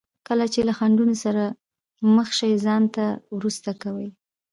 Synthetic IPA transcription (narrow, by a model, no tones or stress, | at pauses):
kəlat͡ʃelaxaɳɖunosaɾa | məxʃajzɑnt̪awɾust̪akawəj